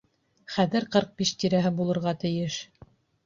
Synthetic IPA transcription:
χæðɘɾqɤɾq̚biʃt̪iɾæɦɘbulˠɤ̆ɾʁɑt̪ɘ̆jɘʃ

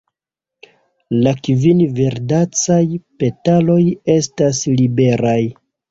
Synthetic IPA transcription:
lakvinve̞ɾdat͡sajpe̞talo̞je̞staslibe̞ɾaj

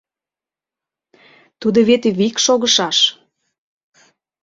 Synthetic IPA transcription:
t̪ud̪oβet̪eβikʃoɣəʃɑʃ

